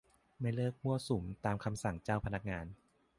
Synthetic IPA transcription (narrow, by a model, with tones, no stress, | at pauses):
ma˥˩jlɤː˥˩k̚mu˥˩ɐsu˩˦mt̪aː˧mkʰa˧msa˨˩ŋt͡ɕaː˥˩wpʰa˧na˦˥k̚ŋaː˧n